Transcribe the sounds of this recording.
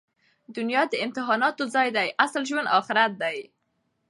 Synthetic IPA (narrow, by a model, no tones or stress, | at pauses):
d̪ʊnjɑd̪əɪmt̪ɪɦɑnɑt̪ozɑjd̪ajʔaslʒwand̪ɑxɪɾat̪̚d̪aj